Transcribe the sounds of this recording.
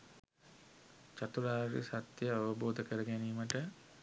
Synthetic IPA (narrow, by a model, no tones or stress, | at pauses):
t͡ʃat̪uɾaːʋɾḭsat̪jəaʋəboːd̪əkəɾəɡæniːməʈə